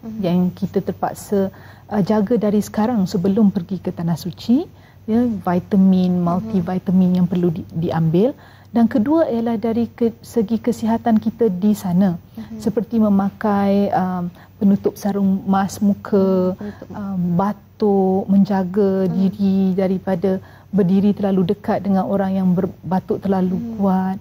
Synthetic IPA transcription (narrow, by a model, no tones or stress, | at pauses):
jaŋkit̪ət̪ərpa̰ksə | ʔd͡ʒaɡədaɾisə̥kaɾaŋsəbəlʊmpərɡikət̪anahsut͡ʃi | jəvajt̪əminmalt̪ivajt̪əmĩnjaŋpərludiʔambɪl | dankəduəijəlahdaɾikəsəɡikəsiɦat̪ankit̪ədisanə̃səpərt̪imə̃mãkajəm | pənut̪ʊp̚saɾʊŋmasmũkʰə | əmbat̪ʊʔmə̃ɲd͡ʒaɡadiɾidaɾipada | bərdiɾit̪ərlaludəkat̪̚dəŋãnoɾaŋjaŋbərbat̪ʊʔt̪ərlalukuat̪̚